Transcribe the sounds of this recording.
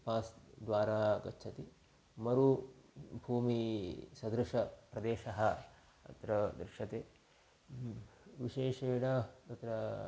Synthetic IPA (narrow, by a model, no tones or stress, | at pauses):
paːsd̪ʋaːɾaːɐkɐ̰t͡ʃːt͡ʃʰɐt̪i | mɐɾu | bʱuːmisɐd̪ɾɐʂɐpɾɐd̪eːʃɐɦɐ | ɐ̰t̪ɾɐd̪ɾɪʃɐt̪eː | ʋiʃeːʃeːɽɐt̪ɐt̪ɾɐ